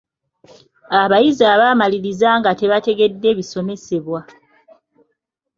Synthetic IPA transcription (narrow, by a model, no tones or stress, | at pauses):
aβajizaːβamaliɾizaːŋɡate̞βate̞ɡe̞dːe̞βiso̞me̞se̞βwa